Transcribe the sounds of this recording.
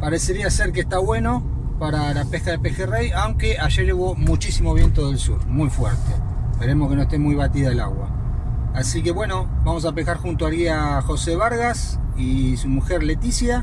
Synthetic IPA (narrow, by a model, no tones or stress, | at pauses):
paɾe̞seɾiaseɾkest̪aβwe̞no̞ | paɾalapehkaðepexerejawŋke̞aʒeɾʒeβomut͡ʃisimoβ̞je̞nt̪oðe̞lsṵɾmujfweɾt̪eepeɾe̞mohkenoest̪emujβat̪iðaelaɣwa̰ː | sike̞βwe̞no̞βamo̞s̬apekaɾxunt̪oaɾiaxo̞seβaɾɣas | isumuxeɾle̞t̪isja